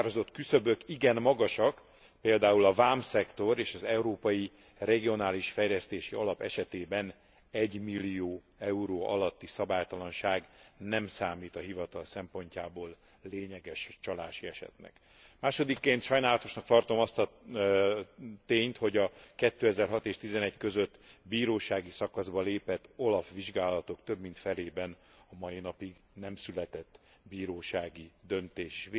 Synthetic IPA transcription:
arozo̞t̪kysøbø̞kiɡɛnmɒɡɒʃɒk | peːld̪aːulɒvaːmsɛkt̪o̞ɾeːʃɒzɛuɾoːpɒji | rɛɡionaːliʃfɛjlɛst̪eːʃiɒlɒpɛʃɛt̪eːbɛn | ɛɟmilːijoː | ɛuɾoːɒlɒt̪ːisɒbaːjt̪ɒlɒnʃaːɡnɛmsaːmiːt̪ɒɦivɒt̪ɒlsɛmpo̞ɲcaːboːlː | eːɲɛɡɛʃt͡ʃɒlaːʃiɛʃɛ̰t̪nɛ̰k | maːʃo̞d̪ikːeːnt̪ʃɒjnaːlɒt̪o̞ʃnɒk̚t̪ɒrt̪o̞mɒst̪ɒ | t̪eːɲt̪ho̞ɟɒkɛt̪ːøːɛzɛrɦɒt̪eːʃt̪izɛnɛɟkø̞zø̞t̪ːbiːɾoːʃaːɡisɒkɒzbɒleːpɛt̪ːo̞lɒfʋiʒɡaːlɒt̪o̞kt̪øbmint̪fɛleːbɛn | ɒmɒinɒpiɡnɛmsylɛt̪ɛt̪ː | biːɾoːʃaːɡid̪ønt̪eːʃ

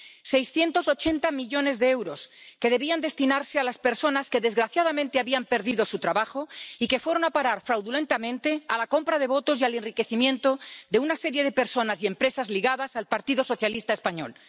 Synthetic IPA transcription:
se̞jsθje̞nt̪o̞so̞t͡ʃe̞nt̪amiʎo̞ne̞zðeewɾo̞ske̞ðe̞βiand̪e̞st̪inaɾse̞alaspe̞ɾso̞naske̞ðe̞zɣɾaθjaðamẽnt̪eaβiampe̞ɾðiðo̞sut̪ɾaβaxo̞ike̞fweɾo̞napaɾaɾfɾawðule̞nt̪amẽ̞nt̪e̞alako̞mpɾað̞e̞β̞o̞t̪o̞s̬ialenrike̞θimjent̪o̞ðe̞unase̞ɾje̞ðe̞pe̞ɾso̞nasie̞mpɾe̞sazliɣaðasalpaɾt̪iðo̞so̞θjalist̪aespaɲo̞̰l

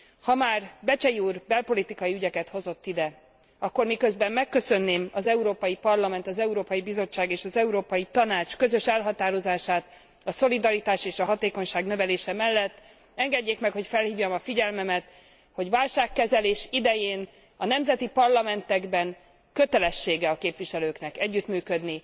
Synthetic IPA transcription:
hɒmaːrbɛt͡ʃɛjiuːrbɛlpo̞lit̪ikɒjiyɟɛkɛt̪ho̞zo̞t̪ːid̪ɛ | ɒkːo̞rmikøzbɛmːɛkːø̞sønːeːmɒzɛuɾoːpɒjipɒrlɒmɛnt̪ɒzɛuɾoːpɒjibizo̞t͡ʃːaːɡeːʃɒzɛuɾoːpɒjit̪ɒnaːt͡ʃkøzø̞ʃɛlɦɒt̪aːɾo̞zaːʃaːt̪ | ɒso̞lid̪ɒɾit̪aːʃeːʃɒɦɒt̪eːko̞ɲʃaːɡnø̞vɛleːʃɛmɛlːɛt̪ː | ɛŋɡɛɟːeːkmɛkho̞cfɛlhiːvjɒmɒfiɟɛlmɛmɛt̪ | ho̞ɟvaːlʃaːkːɛzɛleːʃid̪ɛjeːn | ɒnɛmzɛt̪ipɒrlɒmɛnt̪ɛɡbɛŋ | køt̪ɛlɛʃːeːɡɛɒkeːpʋiʃɛløːknɛkɛɟːyt̪myːkø̞d̪ni

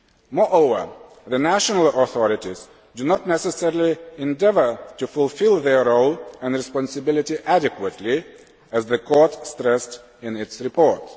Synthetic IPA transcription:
mɔɹʔoʊvə˞ | ðɨnæʃənəl̩ˠɔθɔɹɪtiz | dɨnɔtnɛsəsɛɹliɛ̃ndɛvə˞tufʊlˠfɪlˠðə˞ɹoʊlˠɨ̃ndɹɨspɑ̃nsɨbɪlˠɪtiʔædɪkwətʰli | ɨzðɨkʰɔɹtstɹɛst | ɪ̃nɪtsɹɨpʰɔɹt

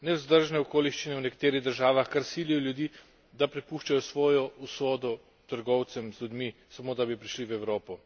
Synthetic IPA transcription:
nɛwzd̪əɾʒnɛɔkoːliʃt͡ʃinɛwnɛkḁt̪eːɾiɣd̪əɾʒaːʋaxkaɾsilijɔljud̪iː | d̪apɾɛpuːʃt͡ʃajɔsʋɔːjɔusɔːd̪ɔ | t̪əɾɡɔwt̪sɛmzlʲud̪misamoːd̪abipɾiʃliwɛwɾoːpɔ

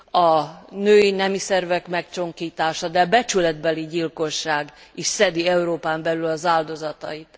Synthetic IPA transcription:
ɒnøːjinɛmisɛrvɛkmɛkt͡ʃo̞ŋkiːt̪aːʃɒd̪ɛɒbɛt͡ʃylɛd̪bɛliɟilko̞ʃːaːɡiʃsɛd̪iɛuɾoːpaːmbɛlylɒzaːld̪o̞zɒt̪ɒ̰it̪

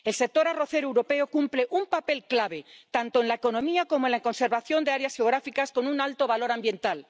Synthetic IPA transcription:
e̞lsek̚t̪o̞ɾaro̞θeɾoe̞wɾo̞pe̞okumple̞ʔumpape̞lklaβ̞et̪ant̪o̞enlaeko̞nõ̞miakomoenlaeko̞nse̞ɾβaθjo̞nd̪e̞aɾeasxeo̞ɣ̞ɾafikasko̞nunalt̪o̞βalo̞ɾambjẽ̞nt̪al

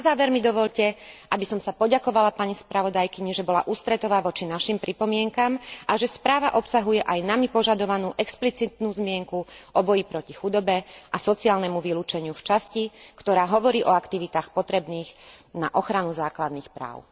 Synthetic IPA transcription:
nazaːʋɛɾmid̪ɔʋɔʎcɛʔabisɔmsapɔɟakɔʋalapaɲispɾaʋɔd̪ajkiɲiʒɛbɔla̰ʔuːst̪ɾɛt̪ɔʋaːʋɔt͡ʃinaʃimpɾʔipɔmɪɛŋkamʔaʒɛspɾaːʋaʔɔpsaɦujɛʔajnamipɔʒad̪ɔʋanuːʔɛksplit͡sit̪nuːzmɪɛŋkuʔɔbɔjipɾɔcixud̪ɔbɛʔasɔt͡siaːlnɛmuʋiluːt͡ʃɛɲɪuft͡ʃascikt̪ɔɾaːɦɔʋɔɾiːʔɔakt̪iʋit̪aːxpɔt̪ɾɛbniːɣna̰ʔɔxɾanuzaːklad̪niːxpɾa̰ːʊ

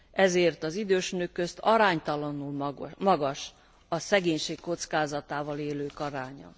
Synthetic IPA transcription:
ɛzeːrt̪ɒzid̪øːʃnøkːø̞st̪ʰɒɾaːɲt̪ɒlɒnulmɒɡɒʃ | ɒsɛɡeːɲʃeːkkːo̞t̪skaːzɒt̪aːvɒleːløːkɒɾaːɲɒ̰

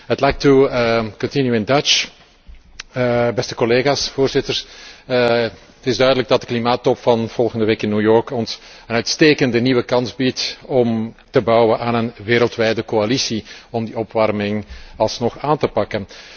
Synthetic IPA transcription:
ɦətlajk̚tukɔntɪnjuɪndat͡ʃ | bɛstə̥kɔleːɣaːsfoːrzɪtər | tɪzdœɥdələɡ̚dɑt̚dəklimaːtːɔpfɑnv̥ɔlˠɣəndəʋeːkɪnːuːjɔɹkɔns | ənœɥtsteːkəndəniwəkɑnzbitɔm | təbɑwənʔaːnənʋeːɾəlˠtʋɛjdəkoalisiɔmdiɔpʋɑrmɪŋɑlˠsnɔxaːntəpɑkən

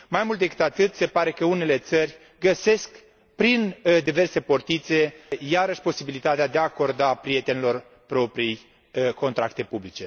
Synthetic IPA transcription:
majmult̪d̪ekɨ̥t̪at̪ɨt̪se̞paɾe̞kəune̞le̞t̪sərʲ | ɡəse̞sk | pɾind̪ive̞rse̞port̪it̪se̞jaɾəʃʲpo̞sibilit̪at̪ead̪eaːko̞rd̪apɾije̞t̪e̞nilo̞r | pɾo̞pɾij | ko̞nt̪ɾakt̪e̞publit͡ʃe̞

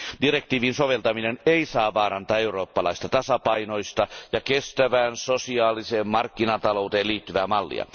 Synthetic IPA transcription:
d̥irekt̪iːʋinsoʋelt̪ɑmineneisɑːʋɑːɾɑnt̪ɑːeuroːpːɑlɑ̰ist̪ɑt̪ɑsɑpɑinoist̪ɑjɑkest̪æʋæːnsosiɑːliseːmmɑrkːinɑt̪ɑlout̪eːliːt̪ːyʋæːmɑlːḭɑ̰

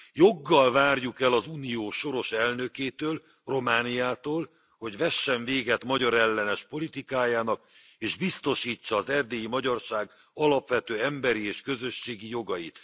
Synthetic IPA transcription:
jo̞ɡːɒlvaːrjukɛlɒzuːnijoːʃo̞ɾo̞ʃɛlnø̞keːt̪øːl | ro̞maːnijaːt̪oːl | ho̞ɟvɛʃːɛɱveːɡɛt̪mɒɟɒɾɛlːɛnɛʃpo̞lit̪ikaːjaːnɒk | eːʒbist̪o̞ʃiːt͡ʃːɒːzɛrd̪eːjimɒɟɒrʃaːɡ | ɒlɒpʋɛt̪øːɛmbɛɾieːʃkø̞zø̞ʃːeːɡijo̞ɡɒjḭt̪

